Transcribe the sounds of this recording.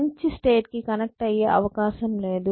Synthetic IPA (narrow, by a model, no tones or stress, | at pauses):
ɲt͡ʃisʈeːʈ̚kikɐnɐk̚ʈɐjeːʔɐʋɐkaːʃɐmle̞ːd̪u